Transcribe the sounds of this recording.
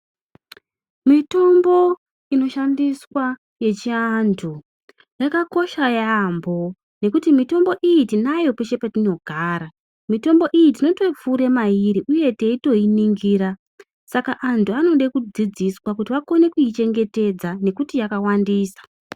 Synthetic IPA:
mito̞mbo̞ | ino̞ʃandiswa | je̞t͡ʃiantʰu | jakako̞ʃajambo̞ | ne̞kutimito̞mbo̞ʔijitinajo̞peʃe̞patino̞ɡʱaːɾa | mito̞mbo̞ʔijitino̞to̞fuɾe̞maiɾiʔuje̞te̞ito̞iniŋɡiːɾa | sakaʔantʰuano̞ɗekud͡zid͡ziswakutiʋako̞ne̞kuit͡ʃe̞ŋɡe̞te̞d͡zane̞kutijakawandiːsḁ

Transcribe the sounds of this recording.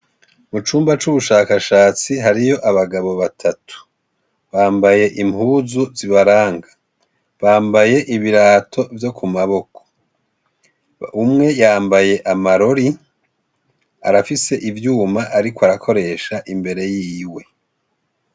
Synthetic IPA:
mut͡ʃuːmbat͡ʃuβuʃaːkaʃaːt͡siɦaɾijo̞ʔaβaɡaβo̞βatʰatu̥ | βaːmbaje̞ʔimhuːzuziβaɾaːŋɡḁ | βaːmbaje̞ʔiβiɾaːtʰo̞vjo̞kʰumaβo̞ko̥ | umŋe̞jaːmbaje̞ʔamaɾo̞ɾi | a̰ɾafise̞ʔivjuːmaʔaɾikoaɾakʰo̞ɾe̞ʃaʔimbe̞ɾe̞jiːwe̞

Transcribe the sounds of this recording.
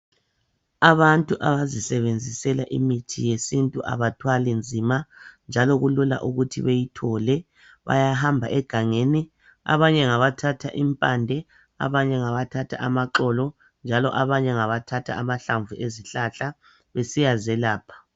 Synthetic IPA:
aβantʼuʔaβazisɛβend͡zʱisɛlaʔimitʰḭjesintʼuʔa̰βatʰwalind͡zʱimand͡ʒʱalɔɣulula̰ʔuɣutʰḭβejitʰɔlɛ | βa̰jaɦambʱaʔɛɡ̥ʱaŋeni | a̰βaɲɛŋaβatʰatʰa̰ʔimpʼandʱɛ | a̰βaɲɛŋaβatʰatʰa̰ʔamaǁɔlɔ | nd͡ʒʱalɔ̰ʔaβaɲɛŋaβatʰatʰa̰ːmaɬaɱvuʔeziɬaɬa | βesijazɛlaːpʰḁ

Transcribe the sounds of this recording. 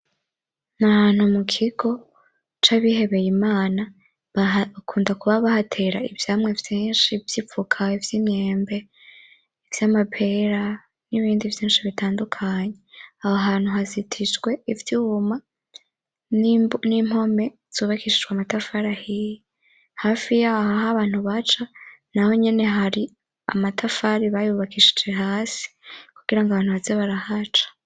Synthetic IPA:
nahaːn̥humukʰiɡ̥o̞ | t͡ʃaβihe̞βe̞jimaːna | kʰuːndakuβaβahatʰe̞ɾaivjaːmŋe̞vjiːnʃivjipp͡fukʰaivjiːmɲeːmbe̞ | ivjamapʰe̞ɾa | niβiːndivjiːnʃiβitaːndukʰaɲe̞ahoɦaːn̥uɦazitʰit͡ʃɡwe̞ivjuma | nimho̞me̞ | z̥uːβakiʃid͡ʒɡwamatafaɾahiji | haːfijahoɦaβaːn̥uβat͡ʃanaho̞ɲe̞ne̞ɦaɾi | a̰matʰafaɾiβajuβakʰiʃi̥d͡ʒeɦaːsi̥kuɡ̥iɾaŋɡaβaːn̥uβazeβaɾahat͡ʃḁ

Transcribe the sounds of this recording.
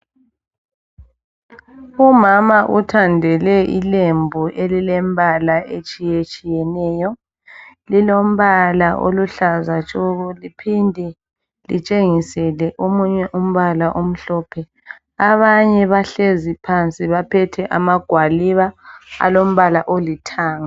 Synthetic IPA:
umamaʔutʰandʱɛlɛʔḭlembʱuʔelilɛmbʱalaʔet͡ʃʼijet͡ʃʼijɛnɛːjɔ | lilom̩βalaʔo̰luɬazat͡ʃʼɔɣɔlipʰindʱɛ | lit͡ʃʼeŋisɛlɛʔomuɲɛʔum̩βalaʔom̩ɬɔːpʰɛ | aβaɲɛβaɬezipʰant͡sʼiβapʰɛtʰɛʔamaɡ̥ʱwaliβaa̰lom̩βalaʔolitʰaːŋa

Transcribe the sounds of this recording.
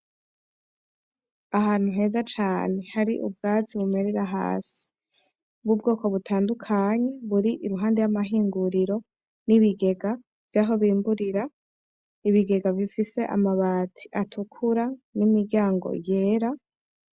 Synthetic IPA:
aɦaːn̥huɦe̞ːzat͡ʃaːne̞haɾiʔṵb̚ɡaːziβume̞ɾeɾaɦa̰ːsi̥ | bɡub̚ɡoːko̞βutʰaːndukʰaɲe̞βuɾiʔiɾuɦaːndejamaɦiːŋɡuɾiɾo̞ | niβiɡe̞ɡa | v̥jaːɦo̞βiːmbuɾiɾa | iβiɡe̞ɡavifise̞ʔa̰maβaːtʰi̥ʔatʰukʰuɾanimiɾɟaːŋɡo̞̰je̞ːɾa

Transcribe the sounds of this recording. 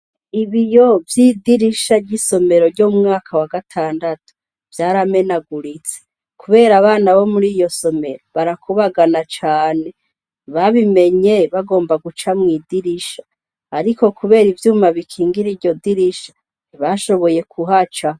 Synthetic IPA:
iβijo̞vjidiɾiʃaɾɟiso̞me̞ɾo̞ɾɟomŋaːkʰawaɡatʰaːndatu̥ | vjaːɾame̞naɡuɾit͡se̥ | kuβe̞ːɾaβaːnaβo̞muɾijo̞so̞me̞ɾoβaɾakʰuβaɡanat͡ʃaːne̞ | βaβime̞ɲe̞βaɡo̞ːmbaɡut͡ʃamŋiːdiɾiʃḁː | ɾiko̞kuβe̞ːɾivjuːmaβikʰiːŋɡiɾiɾɟo̞diɾiʃḁ | βaʃo̞βo̞je̞kʰuɦat͡ʃa

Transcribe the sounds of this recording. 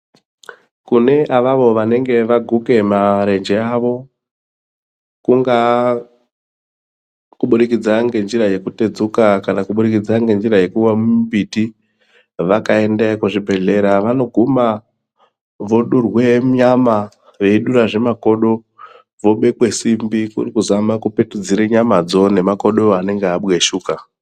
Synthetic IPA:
kune̞ʔaʋaʋo̞ʋane̞ŋɡe̞ʋaɡʱuke̞maɾe̞nd͡ʒe̞aʋo̞ | kuŋɡa | kuɓuɾik̬id͡zaŋɡe̞nd͡ʒiɾaje̞kute̞d͡zukakanakuɓuɾikid͡zaŋɡe̞nd͡ʒiɾaje̞kuwamumbiti | ʋakae̞ndekuʐibʱe̞ɮe̞ɾaʋano̞ɡʱuma | ʋo̞ɗurwe̞ɲama | ʋe̞iɗuɾaʐe̞mako̞ɗo̞ | ʋo̞ɓe̞kwe̞simbikṵrikuzamakupe̞tud͡ziɾeɲamad͡zo̞ne̞mako̞ɗoane̞ŋɡeaɓweʃuːka

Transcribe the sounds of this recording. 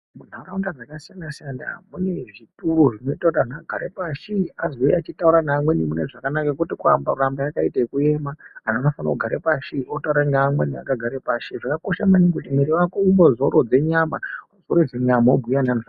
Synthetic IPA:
mun̤auaundad͡zakasijandasijanda̰mune̞ʐituɾuʐino̞itautanaɡʱa̰ɾepaʃiazeat͡ʃitauɾanaːmwe̞nimune̞ʐakanakakutikua̰mbarambajakaitaikuemaananofana̰kuɡʱaɾepaʃiotauɾaŋɡamwenia̰kaɡʱaɾepaʃiʐakako̞ʃamaniŋkutimwiɾiwakoimbozo̞ɾod͡ze̞ɲama | zoɾod͡zeɲamaobʱujananʐa

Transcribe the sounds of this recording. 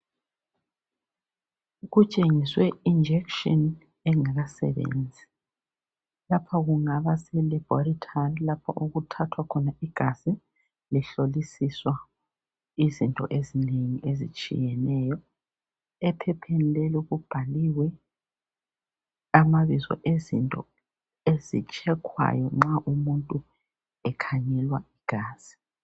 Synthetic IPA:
ɣut͡ʃʼeŋiswɛind͡ʒʱɛkʃɔn | ɛŋaɣasɛ̰βḛnd͡zʱi | lapʰaɣuŋaβasɛlib̥ɔɾitʰarilapʰa̰ʔuɣutʰatʰwakʰɔnaiɡ̥ʱasi | liɬolisiswa | izintʼɔ̰ʔezineŋiʔezḭt͡ʃʼḭjɛnɛːjɔ | ɛpʰɛpʰɛnilɛluɣub̥ʱaliwɛ | amaβizɔ̰ʔezḭntʼɔ̰ | ezḭt͡ʃʼɛkʰwa̰jɔŋ͡ǁaʔumuntʼu | ɛkʰaɲɛlwaiɡ̥ʱaːz̥i̥

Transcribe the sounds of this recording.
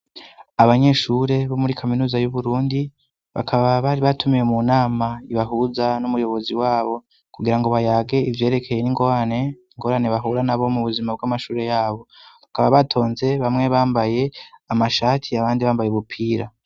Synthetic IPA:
aβaɲe̞ʃuːɾe̞βo̞muɾikʰaminuːzajuβuɾuːndi | βa̰kʰaβaβaɾiβatʰumijemunaːmaiβaɦuzanumujo̞βo̞ziwaːβo̞ | kuɡiɾaŋɡo̞βajaːɡe̞ivje̞ːɾe̞kʰe̞jeniŋɡo̞ɾane̞iŋɡo̞ːɾaneβaɦuɾanaβo̞muβuzimab̚ɡamaʃuːɾe̞jaːβo̞βakaβaβatʰo̞ːnze̞βamŋe̞βaːmbaje̞amaʃaːtʰiaβaːndiβaːmbajeβupʰiːɾa

